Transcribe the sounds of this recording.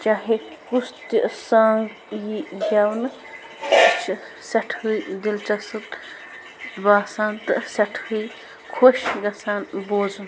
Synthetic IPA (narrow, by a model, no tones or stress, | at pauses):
t͡ʃaːɦe | kust̪isaŋɡ | jijawnɨ | t͡ʃ | sɐʈʰujd̪ilt͡ʃɐsɨt̪ | baːsaːnt̪ɨsɐʈʰuj | kʰoʃɡɐsaːnboːd͡zn